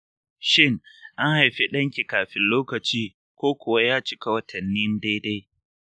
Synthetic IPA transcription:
ʃɪ˦˨ŋʔa˦nha˨jɸi˦ɗɐ˦ŋkʲi˨kaː˨ɸɪ˦nloː˦kɐ˨t͡ʃiː˦ | kʷoː˦kʷʊ˨wa˦jaː˦t͡ʃɪ˦ka˨wɐ˦tʰɐ˨nːi˦n˦de˦da˦j

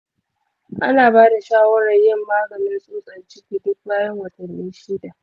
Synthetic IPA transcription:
ʔa̰˦naː˨baː˦da˨ʃaː˦wɐ˦ɽɐ˨jɪ˦˨mːaː˦ɡɐ˨nɪ˦nsʼuː˦sʼɐ˨nt͡ʃɪ˦kʲiː˨dʊ˦kbaː˦jɐ˦ŋwɐ˨tʰɐ˨nːɪ˦nʃɪ˦da˨ʔ

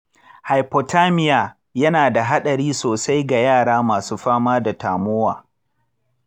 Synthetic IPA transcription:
ha˨jpɔ˨tʰaː˦mɪ˦jaː˨ | jɐ˦naː˨da˨ɦa˦ɗɐ˨ɽiː˦soː˨sa˦jɡa˨jaː˦˨ɽaː˦maː˨suː˦ɸaː˦maː˦da˨taː˨mʊ˦waː˨

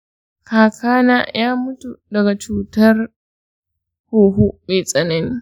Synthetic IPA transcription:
kaː˨kaː˦naː˦jaː˦mʊ˦tu˨dɐ˨ɡa˨t͡ʃuː˦tɐ˦r | hoː˨ɦu˦meː˨sʼɐ˨nɐ˦niː˦

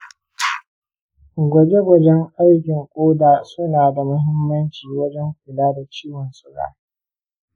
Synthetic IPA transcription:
ɡʷɐ˨be˦ɡʷɐ˨d͡ʒɛ˦ŋʔa˦jkʲɪ˨ŋkʷʼoː˦daː˨sʊ˦naː˨da˨mʊ˦ɦɪ˦mːɐ˦nt͡ʃiː˨wɐ˦d͡ʒɛ˦ŋkʷʊ˨laː˦da˨t͡ʃiː˦wɔ˨nsʼʊ˦ɾa̰ː˦˨

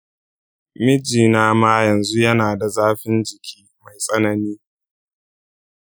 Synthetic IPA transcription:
mɪ˦d͡ʒiː˨naː˦maː˦jɐ˨nzu˦jɐ˦naː˨da˨zaː˦ɸɪ˦nd͡ʒɪ˨kʲʰiː˦ma˨jsʼɐ˦nɐ˨niː˦

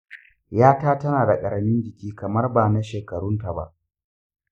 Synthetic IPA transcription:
jaː˦taː˦tɐ˦naː˨da˨kʼɐ˨ɾɐ˨mɪ˦nd͡ʒɪ˨kʲiː˦kɐ˨mɐ˦rbaː˨na˦ʃeː˨kɐ˨ɽʊ˦nta˨ba̰˦ʔ

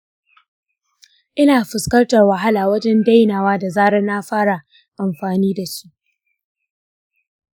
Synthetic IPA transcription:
ʔɪ˦naː˨ɸɪ˨skɐ˦rtɐ˨rwɐ˨ɦa˦laː˨wɐ˦d͡ʒɛ˦nda˦jnaː˨waː˦da˨zaː˦ɽɐ˦nːaː˦ɸaː˦ɽa˨ | ʔa˨mɸaː˨niː˦da˨su̥˦ʔ

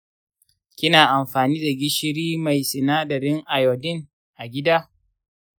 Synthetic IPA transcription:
kʲɪ˦naː˨ʔa˨mɸaː˨niː˦da˨ɡʲɪ˦ʃɪ˦ɾiː˦ma˨jsɪ˨naː˦dɐ˨ɾɪ˦ŋʔa˨jɔ˨dɪ˦ŋ | ʔa˨ɡʲɪ˦daː˦

